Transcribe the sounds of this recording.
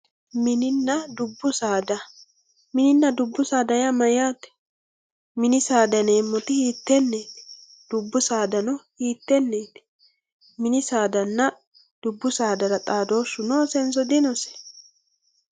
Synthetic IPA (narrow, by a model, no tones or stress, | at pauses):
mɪnɪnːɐd̪ʊbːʊsaːd̪ɐ | mɪnɪnːɐd̪ʊbːʊsaːd̪ɐjamɐjaːt̪ɛ̥ | mɪnɪsaːd̪ɐneːmːɔt̪ɪhiːt̪ːɛnːeːt̪ | d̪̥ʊbːʊsaːd̪ɐnɔhiːt̪ːɛnːeːt̪ | mɪnɪsaːd̪ɐnːɐ | d̪̥ʊbːʊsaːd̪ɐɾɐt̪ʼaːd̪o̞ːsːʊnoːsɛnsɔd̪ɪnɔsɛ̥